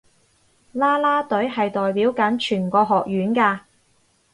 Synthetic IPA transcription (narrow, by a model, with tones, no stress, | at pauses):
laː˥laː˥t̪ɵ˨˥ɥɦɐ˨jt̪ɔː˨jpiː˨˥wkɐ˨˥nt͡ʃʰyː˨˩nkɔː˧ɦɔː˨k̚jyː˨˥nkaː˧